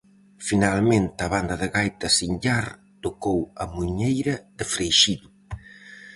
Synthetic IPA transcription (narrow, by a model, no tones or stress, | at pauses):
finalmẽnt̪ɐβand̪ɐðɪɣajt̪ɐsiɲʎaɾ | t̪okowɐmuɲejɾɐðefɾejʃiðʊ